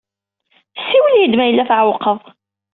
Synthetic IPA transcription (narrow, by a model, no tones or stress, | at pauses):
sːiwəljid̪mæjəlːæθʕəwqːəðˤ